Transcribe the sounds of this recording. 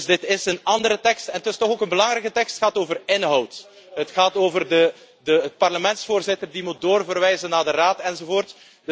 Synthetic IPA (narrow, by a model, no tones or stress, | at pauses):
zdɪtɪsənɑndəɾətɛkstɛnətɪstɔxoːkənbəlɑŋɾɛjkətɛkstxaːtoːvərɪnɦɔwt | ɦətxaːtoːvərdə | dəpɑrləmɛntsfoːrzɪtərdimut̚doːrvərʋɛjzənːaːdəraːtɛnzoːvoːrt | d